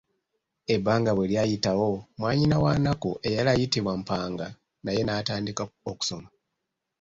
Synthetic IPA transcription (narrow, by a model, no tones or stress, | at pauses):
e̞bːaːŋɡaβweljajitawo̞mwaːɲinawanakuʔe̞jalajitiβwam̩paːŋɡa | naje̞naːtaːndikaoku̥so̞ma